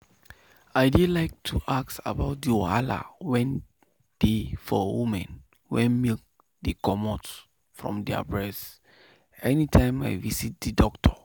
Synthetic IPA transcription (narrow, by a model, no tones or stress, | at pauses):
aɪdilaɪk̚tʰuʔakta̰baʊt̚dioala̰wɛ̃n | d̥efɔwumɛ̃n | wɛ̃nmek̚ | dekɔmɔt | fɹɔ̰̃mdɛa̰bɹɛs | ɛnitʰãɪ̃ma̰ɪvisit̚didɔktʰɔ